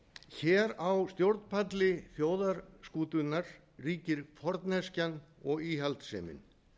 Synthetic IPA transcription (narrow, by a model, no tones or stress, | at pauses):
çɛːɾawst̪jowɾt̪n̥pʰat̪lɪθjoːwðaɾskuːt̪ʏnaɾ̥ | riːcɪɾfɔɾt̪nhɛscanɔɣiːɦalt̪sɛ̰ːmɪ̰n